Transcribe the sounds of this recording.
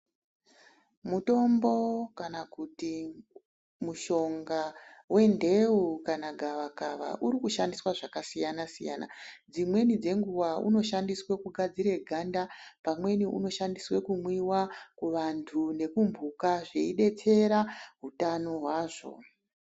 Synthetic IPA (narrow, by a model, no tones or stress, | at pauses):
muto̞mbo̞kanakuti | muʃo̞ŋɡawe̞nde̞ukanaɡʱaʋakaʋa̰ʔuɾikuʃandiswaʐakasijanasija̰na̰d͡zimwe̞nid͡ze̞ŋɡuwaʔṵno̞ʃandiswe̞kuɡʱad͡ziɾe̞ɡʱandapamwe̞niṵno̞ʃandiswe̞kumwiwakuʋantʰune̞kumbʱukaʐe̞iɗe̞t͡se̞ɾaɦutano̞ɦwaːʐo̞̰